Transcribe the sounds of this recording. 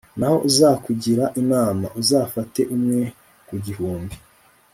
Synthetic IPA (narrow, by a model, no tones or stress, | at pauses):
naho̞̰ʔuzaːkuɟiɾaʔinaːmaʔuzaːfate̞ʔumŋe̞ | kuɟihuːmbi